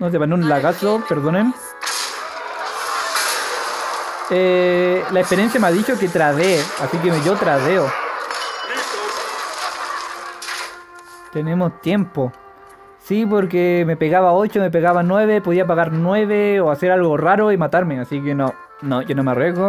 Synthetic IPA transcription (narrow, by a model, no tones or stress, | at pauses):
not̪̬epaneunlaɣasopeɾðonem | elaehpeɾjensjameaðit͡ʃoket̪ɾaðeasik̬emeʝot̪ɾaðeo | t̪enemost̪je̞mpo | sip̬oɾk̬emepeɣaβao̞t͡ʃomep̬eɣaβanwe̞βepo̞ðiap̬aɣaɾnwe̞βeoaseɾalɣoraɾoimat̪aɾmeasikeono | noʝonomeareɣo